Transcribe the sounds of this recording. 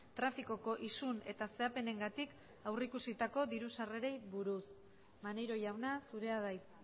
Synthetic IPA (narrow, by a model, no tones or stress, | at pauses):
t̪ɾafiko̞ko̞ʔisune̞t̪ase̞ape̞ne̞ŋɡat̪ik | awrikusit̪ako̞ðiɾusare̞ɾe̞jβuɾus | manejɾo̞ʝawnasuɾe̞aðaj